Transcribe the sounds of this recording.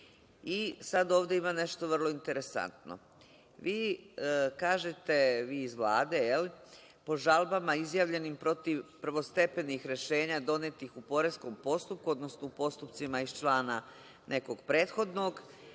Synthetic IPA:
isad̪o̞ːʋd̪e̞imane̞ʃt̪oʋr̩lˠo̞int̪e̞ɾe̞sa̰nt̪no̰ | ʋiː | kaːʒet̪e̞ʋiːzʋlˠaːd̪e̞jeli | po̞ʒalˠbamaizjaʋʎe̞nimpɾo̞t̪iʋpɾ̩ʋo̞st̪e̞pe̞nixɾe̞ʃe̞ːɲad̪o̞net̪ixupo̞ɾesko̞mpo̞st̪up̚kuod̪no̞snoupo̞st̪upt̪simaiʃt͡ʃlˠaːna | nʔe̞ko̞ɡpɾe̞ːt̪xo̞d̪no̞ɡ

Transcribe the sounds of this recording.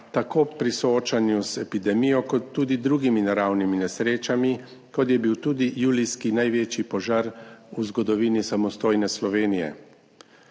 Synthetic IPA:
t̪akoːpɾisɔoːt͡ʃanjuzɛpid̪ɛmijɔkɔt̪ːuːd̪id̪ɾuːɡiminaɾawniminɛsɾeːt͡ʃami | kɔt̪̬jɛbiwt̪uːd̪ijuːliskinajʋeːt͡ʃipɔʒaːɾuzɡɔd̪ɔʋiːnisamɔst̪oːjnɛslɔʋeːnijɛ̰

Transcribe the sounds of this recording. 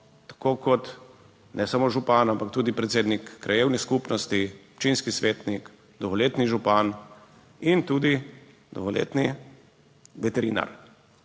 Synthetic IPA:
t̪ḁkokɔt̪ | nʔɛsamoʒupaːnampakt̪uːd̪ipɾɛt̪seːd̪nikːɾʔajeːwniskupnɔst̪iɔpt͡ʃinskisʋeːt̪nik | d̪ɔɣɔleːt̪niʒupan | int̪uːd̪i | d̪ɔ̰ɣɔlḛːt̪ni | ʋɛt̪ɛɾina̰ɾ

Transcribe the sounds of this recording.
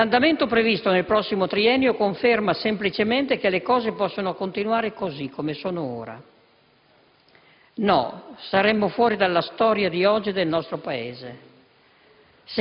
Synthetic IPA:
and̪ament̪opɾevist̪onelpɾɔsːimot̪ɾiɛnːjokoɱfermasemplit͡ʃement̪ek̟elekɔːzepɔsːonokont̪inwaːɾekozikʰːomesoːnoo̰ːɾa̰ | nɔ̰saɾɛmːofwɔːɾid̪alːast̪ɔːɾjad̪iɔd͡ʒːid̪elnɔst̪ɾopaeːze | s

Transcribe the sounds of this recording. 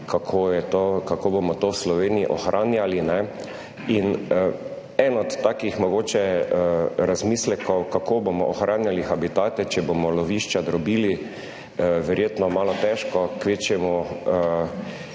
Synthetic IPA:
kakʰojɛt̪okakoːbomɔt̪owslɔʋeːniiʔɔxɾʔaːnjalinɛ | in | ɛnɔt̪ːaːkixmɔɡoːt͡ʃɛ | ɾazmiːslɛkɔwkakʰobomɔ̰ʔɔxɾʔaːnjalixabit̪aːt̪ɛt͡ʃɛbomɔlɔʋiʃt͡ʃad̪ɾɔbiːli | ʋɛɾjeːt̪nɔmaːlɔt̪ɛʃkɔkʋeːt͡ʃɛmɔ

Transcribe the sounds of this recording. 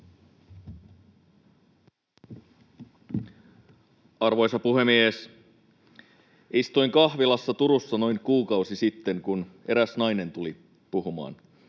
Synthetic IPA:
ɑrʋo̞jsɑpuɦe̞mies | ist̪ujŋkɑhʋilɑsːɑt̪uɾusːɑno̞jŋkuːkɑwsisit̪ːe̞ŋkune̞ɾæsnɑjne̞nt̪uli | puɦumɑ̰ːn

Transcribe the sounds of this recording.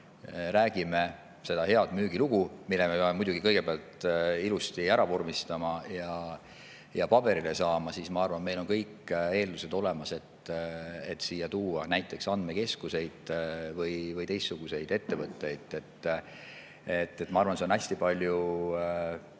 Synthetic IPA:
ɾæːɡ̥ime̞ | se̞d̪ɑhe̞ɑd̪̥myːɡ̥iluɡ̥umilːemepeɑmemujd̪̥uɡ̥ikɤjɡ̥e̞peɑlt̪ilust̪iæɾɑvormist̪ɑmɑjɑ | jɑpɑbe̞ɾile̞sɑːmɑsismɑɑrvɑnme̞jlo̞nkɤjke̞ːld̪use̞d̪̥o̞le̞mɑse̞t̪ː | et̪siːjːɑt̪uːɑnæjt̪ːˑe̞ksɑnd̪me̞ke̞skuse̞jd̪̥vɤjvɤjt̪e̞jstːuɡ̥use̞jd̪e̞t̪ːe̞vɤt̪ːe̞jd̪̥e̞t̪ː | et̪ːˑe̞t̪ːmɑɑrvɑnseo̞næsʲt̪ipɑlʲju

